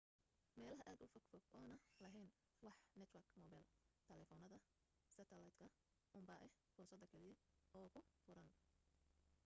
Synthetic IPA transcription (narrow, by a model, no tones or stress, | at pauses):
mɛːlɐɦɐʔaːd̪ʊfɔɡfɔɡɔːnɐlɐɦɛjn | wɑħnɛt̪ʰwɐrkmɔːbalt̪ʰɛlɛfɔnɐðɐ | sɐt̪ʰɐlɐjd̪kʰɐ | ʔʊmbɐːʔɛh | fʊrsɐd̪ɐkʰɛlɪjɛɔːkʰʊfʊɾɐn